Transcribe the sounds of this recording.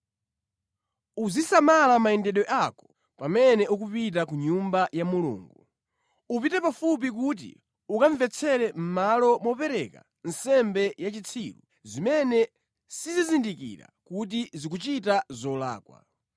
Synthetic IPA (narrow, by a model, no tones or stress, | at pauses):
uzisamalamaɛndɛɗɔʔakɔ̥ | pamɛnɛʔuk̬upit̬akuɲumbajamulṵːŋɡu | up̬itɛpafup̬ik̬ut̬ḭ | ukaɱvɛt͡sʰɛɾɛm̩malɔmɔpɛɾɛka̰ | n̩sɛmbɛjat͡ʃit͡sʰilṵ | zimɛnɛ | sizizindikḭɾa̰kut̬izikut͡ʃitazɔla̰ːkwa̰